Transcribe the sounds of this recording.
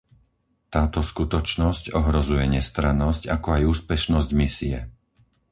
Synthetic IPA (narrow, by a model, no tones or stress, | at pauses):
t̪aːt̪ɔskut̪ɔt͡ʃnɔscɔɦɾɔzujɛɲɛst̪ɾanɔscakɔajuːspɛʃnɔzɟmisiɛ̰